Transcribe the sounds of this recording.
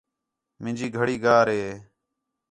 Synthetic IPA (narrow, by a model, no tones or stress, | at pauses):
mɪ̃nd͡ʒiːɡʱəɽiːɡaːɾɦeː